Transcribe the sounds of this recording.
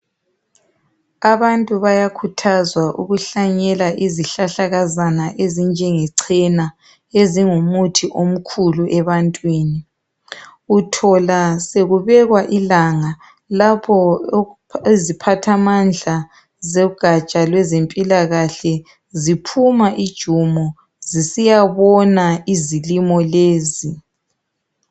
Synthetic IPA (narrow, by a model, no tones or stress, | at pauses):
aβantʼuβajakʰutʰazwaʔṵɣuɬaɲɛlaʔiziɬaɬaɣazanaʔezind͡ʒʱɛŋɛǀʰɛna | eziŋumutʰiʔom̩kʰuluʔɛβantʼwiːni | utʰɔlaseɣuβɛɣwaʔilaŋa | lapʰɔ | ezipʰatʰamand͡ɮʱa | zeuɡ̥ʱat͡ʃʼalwɛzempʼilaɣaɬɛ | zipʰumaʔid̥ʒ̥ʱumɔ | zisijaβɔnaizilimɔleːzi